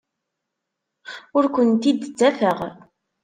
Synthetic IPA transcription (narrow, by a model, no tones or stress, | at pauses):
ʊɾkʷənt̪id̪t͡sːæfəʁ